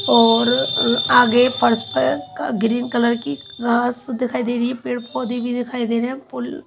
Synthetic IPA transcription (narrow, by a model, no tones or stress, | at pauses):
ɔːɾaːɡeːpʰəɾspɛɡɾiːnkələɾki | ɡaːsd̪ɪkʰaːiːd̪eːɾiepeːɽpʰoːd̪iːbid̪ɪkʰaːid̪eːnẽːpʊl